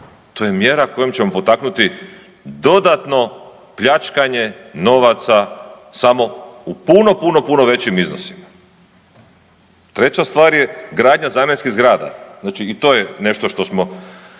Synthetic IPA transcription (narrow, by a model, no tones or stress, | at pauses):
t̪ojemje̞ɾako̞jomt͡ɕe̞mo̞pot̪aknut̪i | d̪o̞d̪at̪no̞ | pʎat͡ʃkaɲeno̞ʋat̪sa | samo̞upuno̞puno̞puno̞ʋe̞t͡ɕimizno̰si̥ma | t̪ɾe̞t͡ɕast̪ʋaːɾjeɡɾaːd̪ɲazamenʲskiɣzɡɾaːd̪a̰znaːt͡ʃiːt̪oːjene̞ʃt̪o̞ʃt̪o̞smo̞